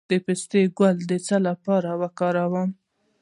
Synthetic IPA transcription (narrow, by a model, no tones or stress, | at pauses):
d̪̥əpest̪eɡwald̪ət͡salapɑɾawəkɑɾawɑm